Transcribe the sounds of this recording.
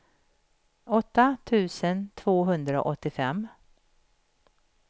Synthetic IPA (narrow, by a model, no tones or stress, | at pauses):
ɔt̪ːat̪ʰʉ̟ːsənt̪ʰvoːɦɵnd̪ɾao̰ʔɔt̪ːɪfɛmː